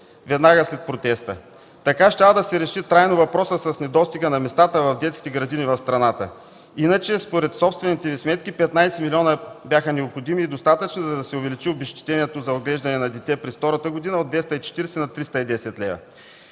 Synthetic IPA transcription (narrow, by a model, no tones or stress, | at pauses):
vɛd̪naɡəslɛt̪̚pɾot̪ɛst̪ə | t̪ɐkaʃt̪ʲavəd̪ɐsɛɾɛʃit̪ɾajnovɐpɾɔsəsɐsnɛd̪ɔst̪iɡənɐmɛst̪at̪əvɐvd̪ɛt̪skʲit̪ɛɡɾɐd̪inivɐfst̪ɾɐnat̪ə̰ | inət͡ʃɛspoɾɛt̪sɔpst̪vɛnit̪ɛvismɛt̪k̟ipɛt̪najsɛmilʲɔnəbjaxənɛopxod̪imiːd̪ost̪at̪ət͡ʃnizɐd̪ɐsɛʊvɛlit͡ʃiobɛʃt̪i̥t̪ɛniɛt̪ozɐoɡlɛʒd̪ɐnɛnɐd̪ɛt̪ɛpɾɛsft̪ɔɾɐt̪əɡod̪inɐod̪vɛst̪əit͡ʃɛ̥t̪iɾɛsɛnɐt̪ɾist̪əid̪ɛsɛt̪lɛ̰vɐ̰